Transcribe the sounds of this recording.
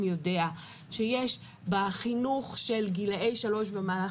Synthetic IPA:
mjode̞a | ʃejeʃ | baχinuχʃe̞lɡilejʃalo̞ʃbamaːla

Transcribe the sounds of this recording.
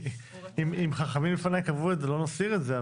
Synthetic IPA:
imimχaχamimlefanajkavuetzelo̞nasiʁetzea

